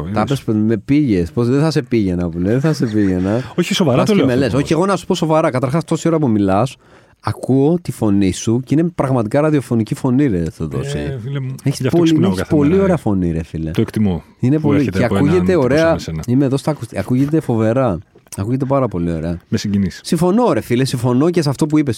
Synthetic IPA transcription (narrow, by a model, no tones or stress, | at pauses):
t̪ɐpespme̞piʝe̞sposðeθɐse̞piʝe̞nɐpuleðeθɐse̞piʝe̞nɐoçisovɐɾɐsmeleso̞çieɣo̞nɐsu̥po̞so̞vɐɾɐkɐt̪ɐɾxɐst̪o̞sio̞ɾɐpumilɐs | ɐkuot̪ifo̞nisuceinepɾɐɣmɐt̪ikɐɾɐðio̞fo̞nicifo̞niɾeθuðo̞̰sḭeçisponeçpo̞lio̞ɾeɐfo̞niɾefilet̪oekt̪imo | inepo̞lieɐkuʝet̪eo̞ɾe̞ɐimeðo̞st̪ɐkust̪iɐkuʝe̞t̪̬e̞fo̞ve̞ɾɐ | ɐkuʝe̞t̪̬e̞pɐɾɐpo̞lio̞̰ɾe̞ɐmesiɲɟinissiɱfo̞no̞oɾefilesiɱfo̞no̞ces̬ɐft̪o̞puipes